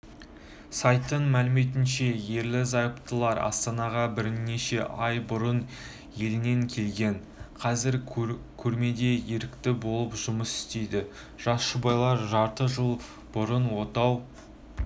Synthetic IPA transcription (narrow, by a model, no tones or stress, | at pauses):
sɑjt̪ːəɴmælɪme̞t̪̬ɪnʃe̞je̞ɾlɪzɑjəpt̪əlˠɑɾɑ̰st̪ɑnɑʁɑbɪɾne̞ʃe̞ʔɑjbʊɾən | je̞lɪne̞ŋkʲʰe̞lɡʲe̞ɴ | qʰɑzɪɾkʲʰɵɾme̞d̪e̞jeɾɪkt̪ɪbo̞lˠəpʒʊməsɪ̥st̪e̞jd̪ɪ | ʒ̥ɑsʃʊbɑjlˠɑɾʒɑɾt̪əʒəlˠ | b̥ʊɾənwo̞t̪ɑw